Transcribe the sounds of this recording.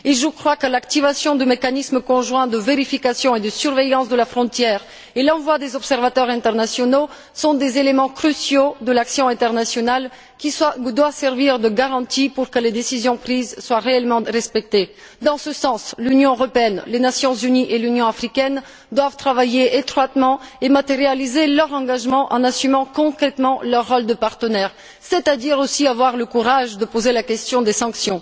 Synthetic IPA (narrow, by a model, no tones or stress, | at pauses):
elʒukχwakəlakt̪ivasjɔ̃d̪əmekanismkɔ̃ʒwɛ̃d̪əveʁifikasjɔ̃ed̪əsyʁvɛjɑ̃sd̪əlafχɔ̃t̪jɛːʁ | elɑ̃vwad̪ezɔpsɛʁvat̪œʁɛ̃t̪ɛʁnasjɔno | sɔ̃d̪ezelemɑ̃kχysjod̪əlaksjɔ̃ɛ̃t̪ɛʁnasjɔnal | kʲid̪wasɛʁviʁd̪əɡaʁɑ̃t̪ipuʁkəled̪esizjɔ̃pχizswaʁeɛlmɑ̃ʁɛspɛk̚t̪e | d̪ɑ̃səsɑ̃slynjɔ̃øʁɔpeɛnlenasjɔ̃zyniʔelynjɔ̃afχikʲɛn | d̪wavt̪χavajeet̪χwat̪mɑ̃emat̪eʁjalizelœʁɑ̃ɡaʒmɑ̃ʔɑ̰̃nasymɑ̃kɔ̃kχɛt̪mɑ̃lœʁːɔld̪əpaʁt̪ənɛʁ | sɛt̪ad̪iʁosiavwaʁləkuʁaʒd̪əpozelakʲɛst̪jɔ̃d̪esɑ̃ksjɔ̃